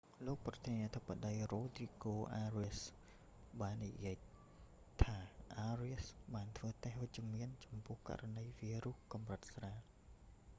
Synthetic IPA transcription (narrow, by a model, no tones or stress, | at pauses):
loːk̚prɑt̪ʰiəniət̪ʰəpːaɗəjroːd̪riːɡoːʔaːriəs | ɓaːnːijiə | t̪ʰaːʔaːriəsɓaːnt̪ʰʋəːt̪ehʋɨc̚t͡ɕəmiənt͡ɕɑmpʊ̆əhka̰ʔranəjʋiːruhkɑmrət̪̚sraː